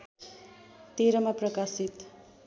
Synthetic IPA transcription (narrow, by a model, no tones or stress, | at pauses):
t̪iɾʌmaprʌkasit̪